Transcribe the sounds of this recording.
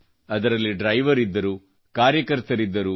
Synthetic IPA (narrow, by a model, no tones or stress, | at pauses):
ɐd̪ɐɾɐlːiɖɾɐjʋɐɾid̪ːɐɾu | kaːɾjɐkɐɾt̪ɐɾid̪ːɐɾu